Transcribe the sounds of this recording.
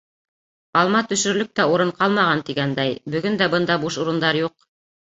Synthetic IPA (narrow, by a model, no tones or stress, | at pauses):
ɑlˠmɑt̪ɵ̆ʃɵ̆ɾlɵp̚t̪æuɾɤɴqɑlˠmɑʁɑnt̪iɡænd̪æjbɵ̆ɡɵnd̪æbɤnd̪ɑbuʃuɾɤ̆nd̪ɑɾjuq̚